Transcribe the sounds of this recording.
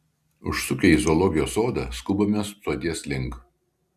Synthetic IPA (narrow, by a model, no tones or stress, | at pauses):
ʊʃsʊkʲɛɪzɔlˠɔɡʲɪjoːsoːd̪ɐ̰skʊbomʲɛssoːd̪ʲiɛslʲɪŋˑk